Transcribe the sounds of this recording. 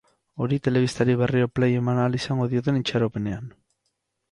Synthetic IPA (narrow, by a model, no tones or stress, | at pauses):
o̞ɾit̪e̞le̞β̞ist̪aɾiβe̞rio̞pleje̞manalisaŋɡo̞ðio̞t̪e̞nit͡ʃaɾope̞ne̞an